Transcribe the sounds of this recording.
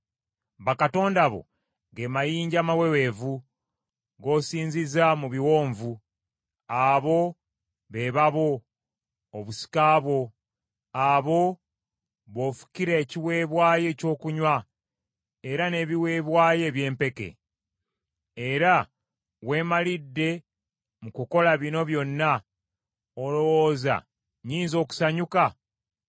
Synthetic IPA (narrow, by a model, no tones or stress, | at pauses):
βakato̞ːndaβo̞̰ | ɡemajiːɲɟamawewe̞ːvu | ɡo̞ːsiːɲzizamuβiwoːɱvu | aβo̞ | βe̞βaβo̞ː | βusi̥kaːβwo̞ | aβo̞ | βo̞fu̥ciɾeːciwe̞ːβwaːje̞co̞ːkuɲwa | e̞ɾane̞βiwe̞ːβwaːje̞ːβje̞ːmpe̞ke̞̰ | eɾa | we̞ːmalidːe̞ | mukuko̞laβino̞βjo̞nːa | olo̞woːza̰ | ɲiːnzo̞ːku̥saɲuka